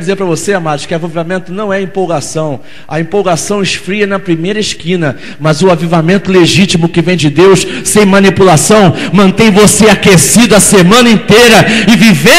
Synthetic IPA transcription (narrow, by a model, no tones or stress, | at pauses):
d͡ʒɪzeɾpɾɐvoseamad̪ʊ̥ʃkɪavivamẽnt̪ʊnɐ̃w̃ɛɐĩpowɡasɐ̃w̃ | ɐĩpowɡasɐ̃w̃ɪsfɾiɐnɐpɾimejɾɐɪʃkĩnɐ | mɐzʊavivamẽnt̪ʊleʒit͡ʃimʊkɪvẽj̃d͡ʒɪd̪ewssẽj̃mɐ̃nipulasɐ̃w̃mɐ̃nt̪ẽj̃voseakesid̪ʊɐsemɐ̃nɐĩt̪ejɾɐɪvive